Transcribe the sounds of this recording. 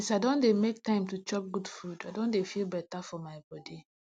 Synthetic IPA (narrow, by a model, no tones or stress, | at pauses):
saɪdõndemek̚tãɪ̃mtut͡ʃɔp̚ɡudfudaɪdõndefilˠbɛtafɔmaɪbɔdi